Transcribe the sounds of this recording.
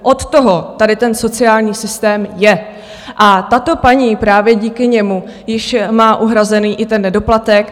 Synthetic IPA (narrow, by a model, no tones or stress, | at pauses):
ʔot̪t̪oɦo̞t̪adɪt̪ɛnso̞t͡sɪjaːlɲiːsɪst̪ɛːmjɛ | ʔat̪at̪o̞paɲiːpɾaːvjɛɟiːkɪɲɛmu | jɪʃmaːʔuɦɾazɛniːʔɪt̪ɛnːɛdo̞plat̪ɛk